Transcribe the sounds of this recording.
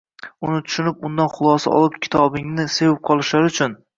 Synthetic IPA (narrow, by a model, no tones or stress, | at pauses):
ʊnɪt̪ʰʊ̥ʃɪnɪp̚ʊnd̪anχʊlˠɒsa̰ɒ̰lˠɪp̚kʲʰɪ̥t̪ʰɒbɪŋnɪse̞wɪp̚qʰɒlˠɪʃlaɾɪʊt͡ʃʰʊn